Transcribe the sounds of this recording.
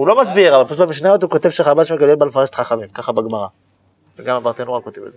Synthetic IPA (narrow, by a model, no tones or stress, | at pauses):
ulo̞masbiʁavalplubamiʃ̬nazot̪ukot̪e̞vʃeχabaʃmeɡadelbalfaʁeʃe̥t̪χaχamimkaχabeɡmaʁa | veɡamabaʁt̪enualkot̪evḛze